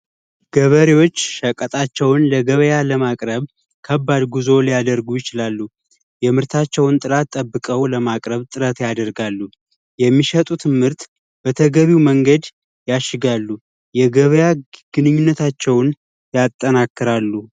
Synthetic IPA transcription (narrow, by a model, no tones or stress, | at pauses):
ɡ̥əβəɾewo̞t͡ʃːʃəkʼːət̪ʼat͡ʃːɛwnləɡəβəjaləmakʼɾəβ | kʰəbːad̪ɡuzo̞lijad̪əɾɡujɪt͡ʃɪlalːu | jɛmɨɾt̪ʰat͡ʃːɛwnt̪ʼɨɾat̪ʼːəbːɨkʼəwləmakʼɾəβt̪ʼɨɾət̪jad̪əɾɡalːu | jɛmːiʃət̪ʼut̪ʰɨmɨɾt̪ | b̥ət̪ʰəɡəβiwməŋɡəd̪ | jaʃːɪɡalːu | jɛɡəβəjaɡ̥ɨnɨɲːunːət̪ʰat͡ʃːɛwn | jat̪ʼːənakːɨɾalːu